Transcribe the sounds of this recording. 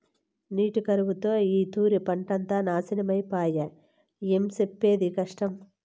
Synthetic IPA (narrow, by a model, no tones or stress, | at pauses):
niːʈikɐɾuʋut̪o̞ːiːt̪uːɾipɐɳʈɐnt̪aːnaːsinɐmɐjpaːjɐ | emsepːe̞ːd̪ikɐʂʈɐm